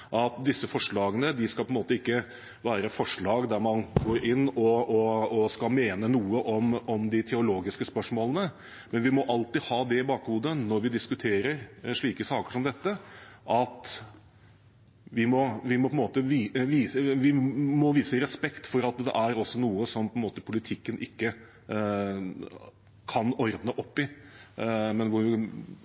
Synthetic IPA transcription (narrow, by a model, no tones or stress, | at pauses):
ʔɑt̪̚d̪ɪsːəfɔʂɭɑːɡənəd̪ɪskɑlpɔɛnmoːt̪əɪkːə | ʋæːɾəfɔʂɭɑːɡd̪æɾmɑnɡoːɾɪnːɔɔɔskɑlmeːnənuːəʔɔmɔmd̪ɪt̪ʰɛʊloːɡɪskəspœʂmoːlənə | mɛnʋɪmɔʔɑlt̪ɪhɑːd̪ɛɪbɑːkhuːd̪ənɔɾʋɪd̪ɪskʉt̪ʰeːɾəɾʂɭiːkəsɑːkə̥ʂɔmd̪ɛt̪ːəʔɑt̪ | ʋɪmɔʋɪmɔpʰɔɛnmoːt̪əʋiːʋiʋɪmɔʋiːsəɾɛspɛkt̪fɔɾɑt̪̚d̪ɛ̰ʔæɾɔsːɔnuːəsɔmpʰɔɛnmoːt̪əpʰʊlɪt̪ʰɪkːənʔɪkːə | kʰɑnɔɾd̪nəʔɔpːɪ | mɛnʋʊʋɪ